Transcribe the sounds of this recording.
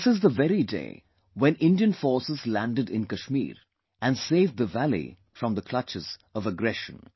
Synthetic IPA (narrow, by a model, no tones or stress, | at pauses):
sɨzðəvɛɾidḛɪ | wɛ̃nɪ̃ndiɨ̃nfɔɹsəzlæ̃ndɨdɪ̰̃nkəʃmḭːɾ | ɨ̃nseɪvðəvælḭ | fɹʌ̃mðəkʰl̥ʌt͡ʃɨz̥ʌvəɡɹɛʃə̰̃n